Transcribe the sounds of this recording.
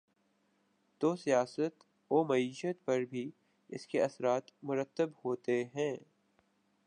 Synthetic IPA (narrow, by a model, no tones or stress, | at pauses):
t̪oːsijaːsət̪ | oːmɐiːʃət̪̚pɐɾbʱi | ɪ̰skeɐsɾaːt̪mʊɾət̪ːəbhoːt̪eɦɛ̃ː